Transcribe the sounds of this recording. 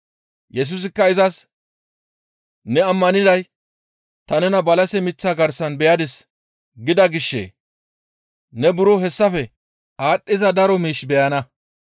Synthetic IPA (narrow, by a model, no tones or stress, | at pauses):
jɛs̬ʊs̬ɪkːɐɪzɐs | nɛɐmːɐnɪd̪ɐj | t̪ɐnɛnɐbɐlɐsɛmɪt͡sːaɡɐɾsɐnbɛjɐd̪ɪs | ɡɪd̪ɐɡɪʃːḛː | nɛbʊɾɔɦɛsːɐfɛ | aːɗʼːɪzɐd̪ɐɾɔmiːʃbɛjɐnɐ